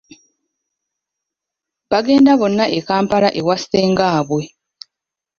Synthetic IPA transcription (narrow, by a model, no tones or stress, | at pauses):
βaɡe̞ːndaβo̞nːaʔekaːmpalaʔewaseːŋɡaːβwe̞